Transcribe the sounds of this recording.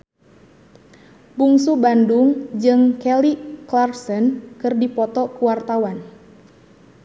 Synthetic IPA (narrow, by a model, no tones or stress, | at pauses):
buŋsubanduŋd͡ʒɨŋkɛliklarsənkɨrdipɔt̪ɔkuwart̪awan